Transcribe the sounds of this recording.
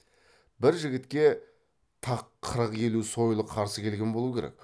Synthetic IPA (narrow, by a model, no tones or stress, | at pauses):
bɪɾʒɪɡʲɪt̪kʲe̞ | t̪ʰɑqʰːəɾəqe̞luso̞jlˠəqʰɑɾsəkʲʰe̞lɡʲe̞nbolˠukʲʰe̞ɾḛk